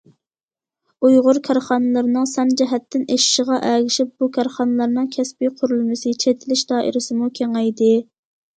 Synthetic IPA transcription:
ujʁʊɾkʲʰɑɾχɑnɨlˠɨɾnɨŋsɛnd͡ʒɛɦɛt̪ʰːɪneʃɪ̥ʃəʁɑʔɛɡʲɪʃɪp̚b̥ukʰʲɑɾχɑnɨlˠɑɾnɨŋkʲʰɛspɪqʰʊɾulˠmɪsɨt͡ʃʰet̪ʰɪlɪʃd̪ɑːʔḭɾɪsɪmukʲʰeŋɛjd̪ɪ

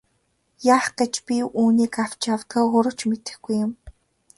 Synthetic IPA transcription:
jaːχɡet͡ɕpʲiuːniːkaw̥t͡ɕawt̪ɡə̆ːɢʊɾə̆t͡ɕmet̪ɘ̆xɡujːʊ̆m

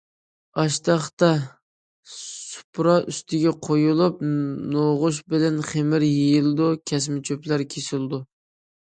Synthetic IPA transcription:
ɑʃt̪ɑχt̪ɑ | u̥pɾɑʔyst̪ʰɪɡʲɛqʰojulˠup̚noʁʊʃ̬bɪlɛnχemɪɾjejilˠɨd̪ukʲʰɛsmɪt͡ʃʰøplæɾkʲʰesɪlˠd̪u

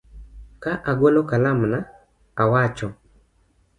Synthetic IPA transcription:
kaʔaɡwolokalamna | awat͡ʃɔ

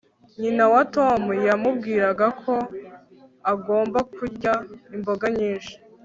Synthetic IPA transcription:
ɲinawatomujamubɡiːɾaɡakʰo̞ | aɡo̞ːmbakuɾɟaimbo̞ɡaɲiːnʃi̥

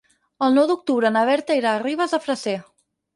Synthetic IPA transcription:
əlˠnɔwd̪uk̚t̪uβɾəːnəβɛɾt̪əiɾariβ̞əzəfɾəse

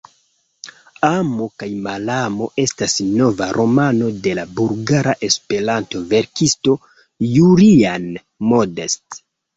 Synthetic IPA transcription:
amo̞kajmalamo̞e̞stasno̞vaɾʔo̞mano̞de̞labulɡaɾaʔe̞spe̞ɾanto̞ve̞ɾkisto̞ | julian | modest

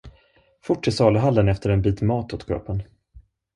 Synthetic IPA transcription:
fʊʈːɪsɑːləɦalːənɛft̪əɾɛnbiːt̪mɑːt̪ʰot̪kʰɾœ̰ːpən

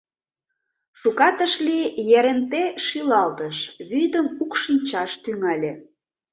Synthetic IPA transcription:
ʃukɑt̪əʃlijeɾent̪eʃilɑlt̪əʃβyd̪əmukʃinʲt͡ɕɑʃt̪yŋɑlʲĕ

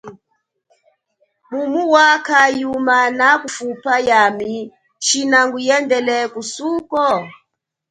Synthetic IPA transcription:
mumuwakajumanakufupajami | ʃinaŋɡujɛndɛlɛkusukɔ

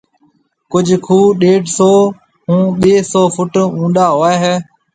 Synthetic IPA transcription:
kʊd͡ʒʱkʰuːɗeːɖsoː | ɦũːɓeːsoːfʊʈũːnɗ̪aːɦoːeːɦɛː

